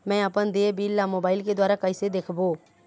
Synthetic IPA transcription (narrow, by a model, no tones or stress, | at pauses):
mɛ̃ːapənd̪eːbiːlːãːmoːbaːɪlkeːd̪waːɾaːkəɪsed̪eːkʰboː